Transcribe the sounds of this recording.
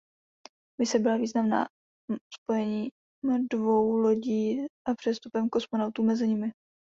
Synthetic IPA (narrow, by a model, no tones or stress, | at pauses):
mɪsɛbɪlaviːznamna̰ː | spo̞jɛɲiː | mdvowlo̞ɟiːʔapr̥ɛst̪upɛmko̞smonawt̪uːmɛzɪɲɪmɪ